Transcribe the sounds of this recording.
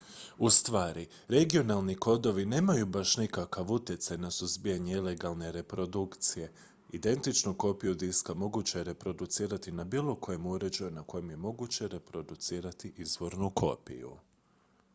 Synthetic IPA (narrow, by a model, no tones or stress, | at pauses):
ust̪ʋaːɾi | ɾe̞ɡio̞nalˠniko̞d̪o̞ʋine̞ːmajubaʃnikakaʋut̪jet̪sajnasuzbijaɲeile̞ɡalˠne̞ɾe̞pɾo̞d̪ukt̪sije̞ | id̪e̞nt̪it͡ʃnuko̞pijud̪iskamo̞ɡut͡ɕeɾe̞pɾo̞d̪ut̪siːɾat̪inabiːlˠo̞ko̞je̞muɾe̞d͡ʑajunako̞jemje̞mo̞ɡut͡ɕe̞ɾe̞pɾo̞d̪ut̪siːɾat̪iʔizʋo̞ɾnukʰo̞̰pḭjṵ